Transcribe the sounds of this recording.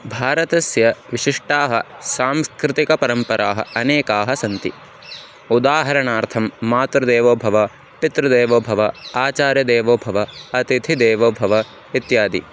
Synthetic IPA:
bʱaːɾɐt̪ɐsjɐʋiʃiʂʈaːɦɐsaːmskɾɪt̪ikɐpɐɾɐmpɐɾaːɦɐ̰ɐneːkaːɦɐsɐnt̪ḭ | ud̪aːɦɐɾɐɳaːɾt̪ʰɐmːaːt̪ɾɐd̪eːʋoːbʱɐʋɐ | pit̪ɾɐd̪eːʋoːbʱɐʋɐaːt͡ʃaːɾjɐd̪eːʋoːbʱɐʋɐɐt̪it̪ʰid̪eːʋoːbʱɐʋɐ | it̪jaːd̪ḭ

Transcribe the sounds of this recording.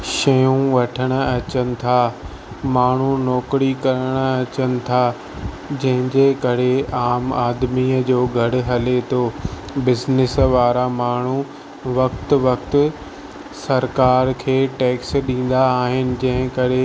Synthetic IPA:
ʃɐjũʋɐʈʰəɽ̃ə̆ɐt͡ɕənɪ̆t̪ʰaː | maːɳ̤unɔːkɾikɐɾəɽ̃ə̆ɐt͡ɕənɪ̆t̪ʰaː | d͡ʑɐ̃ɦɪ̃ɲd͡ʑeːkɐɾeaːmaːd̪miːəd͡ʑoːɡʱɐɽʊ̆ɦɐlet̪ʰoː | bɪznɪsʋaːɾamaːɳ̤u | ʋɐkt̪̆ʋɐkt̪ʊ | sɐɾkaːɾkʰeːʈeːksɗĩːn̆d̪aːɦɪnɪ̆d͡ʑɐ̃ɦɪ̃kɐɾe

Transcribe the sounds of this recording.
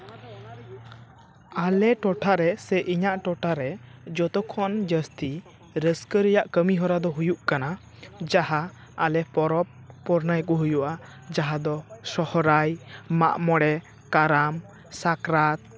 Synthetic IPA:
alɛʈɔʈʰaɾɛsɛʔiɲaʔʈɔʈʰaɾɛd͡ʒɔt̪ɔkʰɔnd͡ʒəst̪i | ɾəskəɾɛjaʔkəmiɦɔɾad̪ɔɦujuʔkana | d͡ʒahaː | lɛpɔɾɔpː | ɔɾnajkɔɦujuʔa | d͡ʒaɦad̪ɔsɔhɔɾajma̰ʔmɔɽɛ | kaɾam | sakɾat̪̚

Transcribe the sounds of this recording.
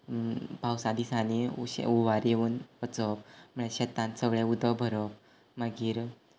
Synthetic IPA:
pawsad̪isaniɕuʋaɾjeʋuːnət͡səpm̤əɳ̃eɕet̪ãnt̪səɡɭẽud̪əbʱəɾəp | maɡiːɾ

